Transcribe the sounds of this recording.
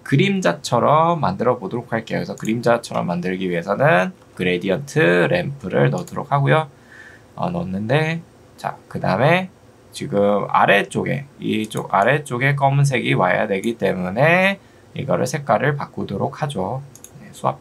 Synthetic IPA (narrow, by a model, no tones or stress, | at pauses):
kɯɾimd͡ʑat͡ɕʰʌɾʌmːandɯɾʌbodoɾok̚haɭk͈e̞jokesʰʌkɯɾimd͡ʑat͡ɕʰʌɾʌ̰mːandɯɭɡiɥiɦe̞sʰʌnɯn | kɯɾe̞diʌntʰɯɾe̞mpʰɯɾɯ̰ɭnʌtʰoɾo̰k̚ʰaɡojo | ʌ̰nʌnːɯnde̞ | t͡ɕa̰kɯda̰ɯme̞ | t͡ɕiɡɯma̰ɾe̞t͡ɕ͈oɡe̞̰it͡ɕ͈o̰ɡa̰ɾe̞t͡ɕ͈oɡe̞k̬͈ʌmuns̬ʰe̞ɡiwa̰ja̰dwe̞ɡit͈e̞mune̞ | ḭɡʌɾɯ̰ɭsʰe̞k̚k͈waɾɯɭpak͈udoɾok̚ʰhad͡ʑoje̞sʰua̰p̚